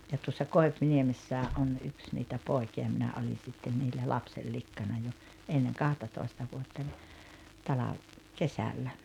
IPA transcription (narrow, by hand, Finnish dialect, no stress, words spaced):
jɑ tuosːɑ koi̞pniemesːæːʔ ʔon ʔyks niːtæ poˑi̞kiɑ minæ oli sitːen niːlːæ lɑpselːikːɑnɑ jo enːeŋ kɑhtɑtoˑistɑ ʋuotːɑnʲ tɑlɑʋ kesælːæ